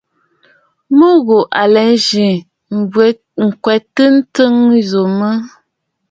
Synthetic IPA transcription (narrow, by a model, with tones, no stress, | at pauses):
mə˦ɣo˨ʔa˨lɛ˨˦n˦ʒi˨ | ŋ̩˨kwɛ˨tə˦n̩˦tə˦ŋ˦zo˨mə˦